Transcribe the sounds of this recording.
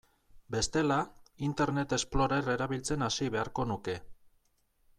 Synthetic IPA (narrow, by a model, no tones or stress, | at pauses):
be̞st̪e̞laint̪e̞ɾnet̪e̞splo̞ɾere̞ɾaβ̞ilt͡se̞nasiβe̞aɾko̞nuke̞